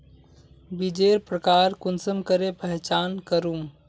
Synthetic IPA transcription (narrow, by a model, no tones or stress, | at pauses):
bid͡ʒeːɾpɾəkaːɾkunsəmkəɾepəɦt͡ʃaːnkəɾum